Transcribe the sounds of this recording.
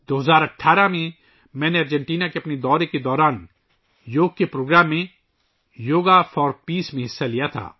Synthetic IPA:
d̪̥oːɦəzaːɾɐʈʰːaːɾamẽ | mɛ̃ːneɐɾd͡ʒɛ̃ɳʈiːnakeɐpned̪ɔːɾeked̪ɔːɾaːn | joːɡ̚kepɾoːɡɾaːmːẽ | joːɡafʰɔːɾpiːsmẽɦɪsːalijat̪ʰa̰ː

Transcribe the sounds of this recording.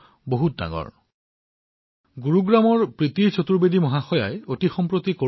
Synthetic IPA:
boɦut̚da̰ɡɔ̰ɹ | ɡuɹuɡɹamɔɹpɹit̪iɹt͡ɕʰot̪uɹbedimɔɦaxɔja̰jotixɔmpɹot̪iko

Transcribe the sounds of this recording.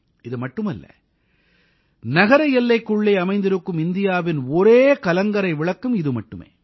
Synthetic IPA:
ɪðɯmɐʈːɯmɐlːɐ̰ | nɐɣɐɾɐjɛlːɐɪkːʊɭːɐɪɐmɐɪnd̪ɪɾɯkːɯmɪnd̪ɪjaːʋɪnɔɾeːkɐlɐŋɡɐɾɐɪʋɪɭɐkːɯmɪðɯmɐʈːɯmḛː

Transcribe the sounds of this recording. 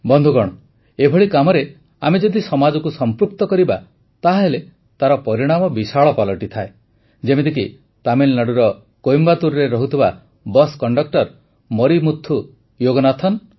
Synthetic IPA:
bɔnd̪ʱuɡɔɽ̃ɔ | ebʱɔɭikamɔɾe | amed͡ʒɔd̪isɔmad͡ʒɔkusɔmpɾuk̚t̪ɔkɔɾiba | t̪aɦele | t̪aɾɔpɔɾiɽ̃amɔbisaɭɔpalɔʈit̪ʰae | d͡ʒemed̪iki | t̪amilnaɽuɾɔ | kojmbat̪uɾɾeɾɔɦut̪ʰiba | bɔskɔɳɖɔk̚ʈɔɾ | mɔɾimut̪ʰːu | joɡɔnat̪ʰɔn

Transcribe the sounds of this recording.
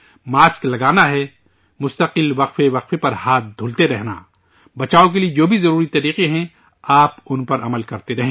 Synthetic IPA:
maːsklɐɡaːnaɦɛ | mʊst̪əqɪlʋɐqfeʋɐqfepɐɾhaːt̪̚d̪ʱʊːlt̪eɾɛɦna̰ː | bɐt͡ʃaːok̬elied͡ʒoːbʱizɐɾuːɾit̪ɐɾiːqeɦɛ̃ | aːpʊnpɐɾʔɐməlkɐɾt̪eɾɐɦẽː

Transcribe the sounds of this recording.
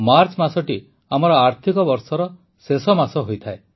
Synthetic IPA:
maɾt͡ʃmasɔʈi | amɔɾɔaɾt̪ʰikɔbɔɾsɔɾɔ | sesɔmasɔɦojt̪ʰae

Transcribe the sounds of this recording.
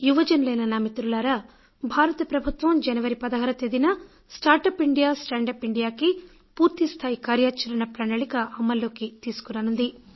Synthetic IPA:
juʋɐd͡ʒɐnlɐjnɐnaːmit̪ɾulaːɾa | bʱaːɾɐt̪ɐpɾɐbʱut̪ʋɐmd͡ʒɐnɐʋɐɾipɐd̪ɐɦɐɾɐt̪ed̪inɐ | sʈaːɾʈɐːpiɳɖijaːsʈɐːɳɖɐpiɳɖijaːki | puːɾt̪ist̪ʰaːjikaːɾjaːt͡ʃɐɾɐnɐpɾɐnɐɭikɐʔɐmːɐlːo̞ːkit̪iːsu̥kunɐnund̪i

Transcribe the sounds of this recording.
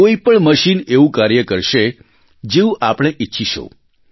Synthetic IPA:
oipəɳməʃineʋũkaɾjəkəɾʃe | d͡ʒeũʔapɽ̃eʔitːʃʰiʃo̰

